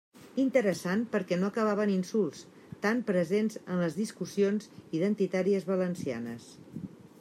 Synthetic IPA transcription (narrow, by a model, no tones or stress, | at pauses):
int̪əɾəsanpəɾkɛnoəkəβ̞aβ̞əninsulˠs | t̪ampɾəzenzənləzðiskusionziðənt̪it̪aɾiəzβələnsia̰nəs